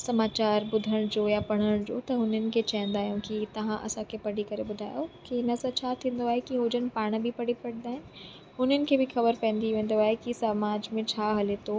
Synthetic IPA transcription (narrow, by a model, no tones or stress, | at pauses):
sɐmaːt͡ɕaːɾbʊd̪ʱəɽ̃d͡ʑoːjapɐɽ̃əɽ̃d͡ʑo̰ːt̪ɐɦʊn̤ənɪ̆kʰet͡ɕɐ̃ɦɪ̃nd̪aːɦjũkit̪ɐʋ̤ãʔɐ̰sãkʰepɐɽ̤ikɐɾebʊd̪ʱa̰ːjokiɪnəsãt͡ɕʰat̪ʰĩːn̆d̪oaːɦekiɦoːd͡ʑənɪ̆paːɽ̃bʱipɐɽ̤ipɐɽ̃nd̪aːɦɪnɪ̆ | ɦʊn̤ənɪ̆kʰeːbʱɪxɐbəɾpɛ̃ːn̆d̪iʋẽːn̆d̪oaːɦekisɐmaːd͡ʑmẽt͡ɕʰaːɦɐlet̪ʰoː